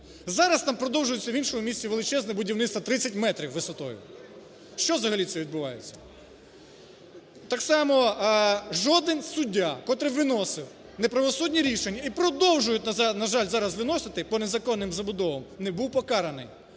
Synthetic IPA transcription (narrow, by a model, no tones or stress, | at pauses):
zɑɾɐst̪ɑmpɾɔd̪ɔwʒʊjʊt͡sʲːɐʋʲinʃɔmʊmʲisʲt͡sʲiʋelˠɪt͡ʃɛznɛbʊdʲiwnɪt̪st̪ʋɐt̪ɾɪt͡sʲːɐtʲmɛt̪ɾʲiwːɪsɔt̪ɔjʊ̰ | ʃt͡ʃɔzɐɦɐlʲit̪sɛʋʲid̪̚bʊʋɑjet͡sʲːɐ̥ | t̪ɑksɑmɔ | ʒɔd̪ɪnsʊdʲːakɔt̪ɾɪʋɪnɔsɪw | nepɾɐʋɔsudʲnʲiɾʲiʃenʲːɐipɾɔd̪ɔwʒʊjʊt̚ʲnnɐʒɑlʲzɑɾɐzʋɪnɔsɪt̪ɪpɔnezɐkɔnːɪmzɐbʊd̪ɔʋɐmnebuwpɔkɑɾɐnɪj